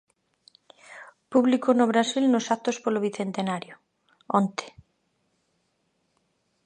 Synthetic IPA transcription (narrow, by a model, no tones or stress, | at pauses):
puβlikonoβɾasilnosak̚t̪ospoloβiθent̪enaɾjo | ont̪e̥